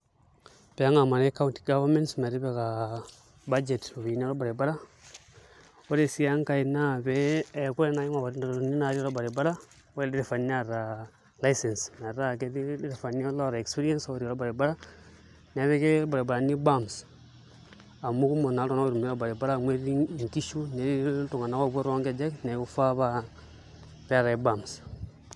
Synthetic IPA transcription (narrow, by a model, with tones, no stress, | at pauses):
pe˨a˦ŋa˨ma˨ne˦ka˦wu˦nti̥˨ɡa˦va˦mẽ˦ntsme˨ɾi˦be˨ka˨ | ba˦d͡ʒe˨to˨βi˨ni˦o˦ɾo˦baɾe˨ba˦ɾa˦ | wo˦ɾe˨si˦a˦ŋka˨i˨na˦˨be˦˨ku˦ɾe˦na˨˦ji˦ma˨wa˨ɾi˦a˨ɾu˨ni˦na˨ɾi˦ɾo˦ba˨ɾi˨ba˦ɾa˦ | wo˦e˦di˦ɾe˨fa˨n˦a˦ɾa˨ | la˦i˦se˨nsna˨ɾa˦ke˦di˦ɾe˨fa˨na˦lo˦ɾa˨e˨kspi˦ɾi˦e˦nso˦˨ɾi˨ɔ˨ɾo˦ba˨ɾi˨ba˦ɾa˦ | ne˨ɾe˦ke˦ba˨ɾa˨ba˨ɾa˨ni˦ba˦ms | a˨mu˦ku˦mo˨na˨˦tna˦o˦ɾu˨m˦ɔ˦ba˨ɾi˨ba˦ɾa˦ŋwe˦ɾi˦i˨nti˦ʃu˦ne˦ɾi˦tu˨ŋa˨na˦ko˦bo˦ɾo˦ŋke˦d͡ʒe˦kne˨ku˦fa˦βa˦ | pɛ˦a˦ɾa˨i˨ba˨ms